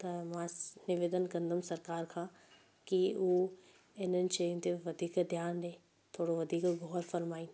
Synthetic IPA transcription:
t̪ɐmãnɪʋeːd̪ənɡɐ̃nd̪əmsɐɾkaːɾkʰãː | kiuː | ɪnənʃeːjũt̪eʋɐd̪ʱiːkd̪ʱjaːndẽː | t̪ʰoːɽoʋɐd̪ʱiːkɡʱɔːɾfɐɾmaːiː

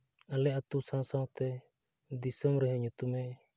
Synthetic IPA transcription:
alɛat̪usãwsãwt̪ɛd̪isɔmɾɛɦɛ̃ɲut̪umɛ

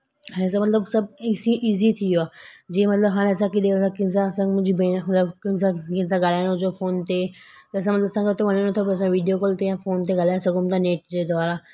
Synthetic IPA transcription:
ɦs̬amɐt̪ləbsɐb̚ɪsĩʔiːzit̪ʰijoaːd͡ʑiːẽmɐt̪ləbɦaːɽ̃ẽɐsãkiɗẽsãkɪ̃nsasãɡmʊ̃d͡ʑibemɐt̪ləbkɪnsãkɪ̃nsaɡɐl̤aːɪñʊd͡ʑofoːnt̪e | t̪ɐɐs̬ãmɐt̪ləbsãɡet̪ʰoʋɐnənɐt̪ʰopɐs̬ãʋiːɖijokoːlt̪ejãfoːnt̪eɡɐlaːesɐɡʊmt̪aneːʈd͡ʑeːd̪ʱoaːɾa

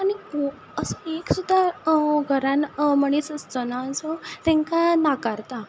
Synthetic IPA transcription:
aɽiko | əsəeksud̪ʱːaɡʱəɾãnməɽ̃isəst̪ɔnaəsɔt̪ɛ̃ŋkanakaɾt̪a

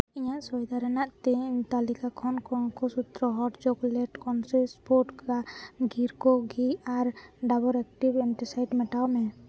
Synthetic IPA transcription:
iɲaʔsɔjd̪ʱaɾɛnaʔt̪iɲt̪alikakʰɔnkʰɔnkɔsut̪ɾɔɦɔʈd͡ʒɔɡlɛʈkʰɔnsɛspɔɾʈkaɡʱiɾkɔɡiaɾɖabɔɾɛk̚ʈibɛnʈisajɖmɛʈawmɛ

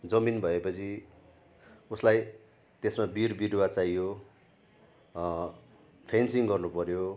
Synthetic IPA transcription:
d͡zʌminbʱʌepʌt͡sʰi | uslaj | t̪esmabirbiɽwat͡sajo | pʰensiŋɡʌrnupʌɾjo

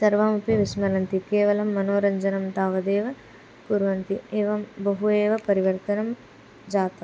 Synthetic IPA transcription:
sɐɾʋaːmupiʋismɐlɐnt̪ikeːʋɐlɐmːɐnoːɾɐɲd͡ʒɐnɐmt̪aːʋɐd̪eːʋɐ | puːɾʋɐnt̪ieːʋɐmbɐɦueːʋɐpɐɾiʋɐɾt̪ɐnɐm | d͡ʒaːt̪ɐ

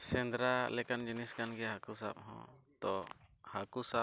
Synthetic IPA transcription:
sɛnd̪ɾalɛkand͡ʒiniskanɡɛɦakusa̰p̚hɔ̰̃t̪ɔhakusa

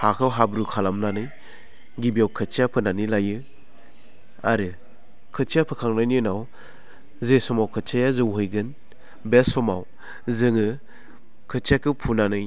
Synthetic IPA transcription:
hakʰawɦabɾukʰalamnanɯj | ɡibiawkʰɯt͡ʃʰijapʰɯnanilajɯ | a̰ɾɯ | kʰɯt͡ʃʰijapʰɯkʰaŋnajnɯnaw | zesɔmawkʰɯt͡ʃʰajazɯwɦɯjɡɯn | besɔmaw | zɯŋɯ | kʰɯt͡ʃʰiakʰɯpʰunanɯj

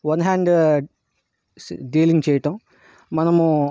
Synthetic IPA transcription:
ʋɐnɦaːɳɖ | ɖiːliŋɡt͡ɕejiʈɐmː | ɐnɐm

